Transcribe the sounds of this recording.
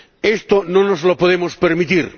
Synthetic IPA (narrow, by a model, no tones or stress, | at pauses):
est̪onõnozlopoðemospeɾmit̪iɾ